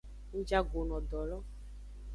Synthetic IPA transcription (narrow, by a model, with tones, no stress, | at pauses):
u˦d͡ʒa˦ɡo˨nɔ̃˨dɔ˨lɔ˦